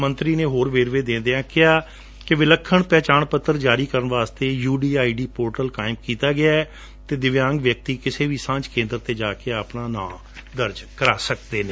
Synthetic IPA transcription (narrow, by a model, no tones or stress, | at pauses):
mənt̪ɾiːneːɦoːɾʋeːɾʋeːd̪ẽːnd̪eãːkɪaː | kɪʋɪləkʰːəɳpɛːt͡ʃaːɳpət̪ːəɾd͡ʒaːɾiːkəɾənʋaːst̪eːjuːɖiːaːiːɖiːpoːɾʈəlkaːɪmkiːt̪aːɡɪaːɛ | t̪eːd̪ɪʋjãːŋɡʋjək̚t̪iːkɪseːʋiːsãːt͡ʃkẽːnd̪əɾt̪eːd͡ʒaːkeəpnaːnã̰ː | d̪əɾd͡ʒkəɾaːsək̚d̪eːneː